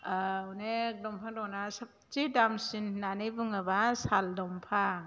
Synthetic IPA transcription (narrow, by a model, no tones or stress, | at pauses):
ɔnedɔmpʰaŋdɔnasap̚tidamsinːanejbɯŋɯbasaldɔmpʰa